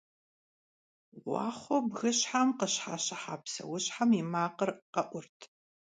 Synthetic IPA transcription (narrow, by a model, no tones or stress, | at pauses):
wʷɑ̰ːχʷɔbɣɨɕħamqəɕħaːɕɐħaːpsɐ̰wʊɕħamimaːqərqɐʔʷʊrtʰ